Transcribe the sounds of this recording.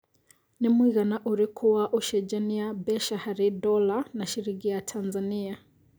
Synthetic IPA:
nimwiɣanaʔuɾikʰuwaʔuʃɛd͡ʒaniabɛʃahaɾidɔlanaʃiɾiɡijatʰanzania

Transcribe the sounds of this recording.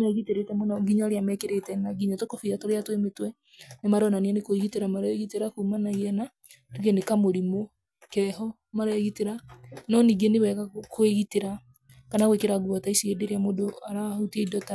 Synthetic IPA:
ɣiteɾetɛmɔnɔŋɡiɲɔaɾeamɛkeɾetɛnaɡiɲɔtokofiatoɾeatwemetwɛ | nemaɾɔnanianekoeɣiteɾamaɾɛɣiteɾakuːmanaiɛna | ɾeɣenekamoɾimo | kɛɦɔ | maɾɛɣiteɾanɔniːɡenewɛɣakoeɣiteɾa | kanaɣwekeɾaɡwɔtaisiedeɾeamodoaɾauteidɔta

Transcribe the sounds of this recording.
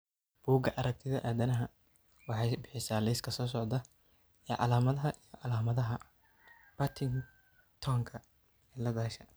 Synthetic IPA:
b̥uːɡɐʔɐɾɐk̚t̪ʰɪðɐʔaːðɐnɐɦɐ | wɑħɑjbɪħɪsaːlɛjskʰɐsɔːs̬ɔʕd̪ɐ | ɛːʕɑ̰laːmɐðɐɦɐʔijɔʕɑlaːmɐðɐɦɐ | b̥ɐt̪ʰɪn | t̪ʰɔːŋkʰɐ | ɛːlɐðaːʃɐ

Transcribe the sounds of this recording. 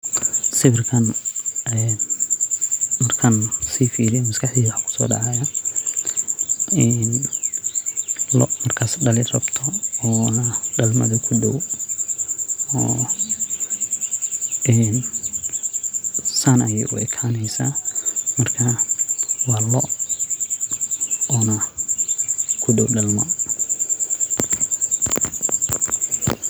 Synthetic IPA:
sɪβɪrkʰɐnɛn | mɐrkʰɐnsiːfiːɾɪjɛmɐskʰɑħd̪iːwɐħkʰʊ̥sɔ̰ːɖɑ̰ʕaja | ɛn | lɔ̰mɐrkʰaːsɖɐlɪrɐbt̪ʰɔɔːnɐɖɐlmɐ̰ðɐkʰʊɖɔw | ɔː | ɛːn | sanɐjɛ̰jʔʊ̰ʔɛkʰaːnɛjsaːmɐrkʰa | wɑːlɔʔ | ɔːnɐ | kʰʊɖɔwɖɐlmɔ̰

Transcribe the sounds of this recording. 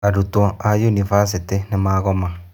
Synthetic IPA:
aɾutwɔajunivas̬itenemaːɣɔma

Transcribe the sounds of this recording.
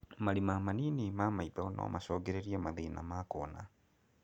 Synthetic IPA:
malimamaninimamaiðɔnʔɔ̰maʃɔɡɛɾɛɾiamaðina̰makɔna̰

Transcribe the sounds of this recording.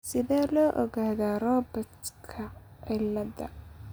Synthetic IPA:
sɪðɛːlɔːʔɔɣaːðaːrɔːbɔt̪kʰɐʕɪlɐðɐ̰

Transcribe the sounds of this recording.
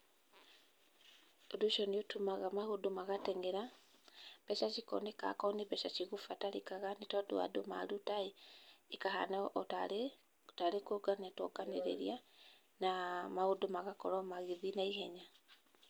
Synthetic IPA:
odoʃɔniotumaɣamahodomaɣatɛŋɛɾa | bɛʃat͡ʃikɔ̰neka̰kɔneβɛʃat͡ʃiɣufataɾikaɣanetadoa̰doma̰ɾutaeikaɦa̰naʔɔta | taɾekoɡaniatɔ̰ɡanḛɾḛɾia | namahodomaɣakɔɾɔmaɣiðinaiɦɛɲa

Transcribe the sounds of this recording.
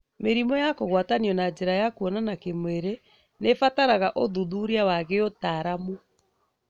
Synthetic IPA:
meɾimɔjakoɣwataniɔnad͡ʑeɾajakuɔnanakemweɾe | nefataɾaɣaʔoðuðuɾiawaɣeotaɾamu

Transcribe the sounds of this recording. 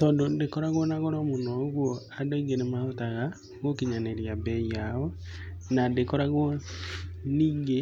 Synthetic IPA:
tɔːndondekoɾaɣwɔnaɣoɾomonɔɣwɔadoiŋɡenemaotaɣa | ɣokiɲaneɾjabɛiao | nandekoɾaɣwɔ | niːŋɡe

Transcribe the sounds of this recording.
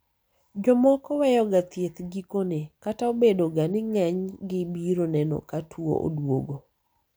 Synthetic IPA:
d͡ʒɔmɔkɔwɛjɔɡat̪jet̪ɡikonekataobedoɡanɪŋɛɲɡɪbiɾonɛnɔ̰katʰwo̰ʔo̰dwo̰ɡo

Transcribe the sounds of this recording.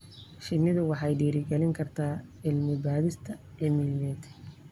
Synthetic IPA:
ʃɪnːɪðʊwɑħɑjɖiːɾɪɡɛlɪŋkʰɐrt̪ʰaːɪlmɪbaːðɪst̪ʰɐɛmiljɛːt̪ʰ

